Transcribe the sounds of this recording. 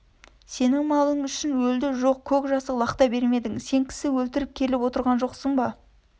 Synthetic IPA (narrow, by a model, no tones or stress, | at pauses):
se̞nɪŋmɑlˠəɴʏʃɪnwɵld̪ɪʒo̞q̚kʲʰɵkʒɑsəlˠɑqt̪ɑbe̞ɾme̞d̪ɪŋse̞ŋkʲʰɪ̥sɪwɵlt̪ɪɾɪp̚kʲʰe̞lɪpwo̞t̪əɾʁɑnʒo̞qsəɴbɑ